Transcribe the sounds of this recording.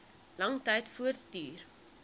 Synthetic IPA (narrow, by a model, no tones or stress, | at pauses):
lɐŋtɐjtfuərttyːr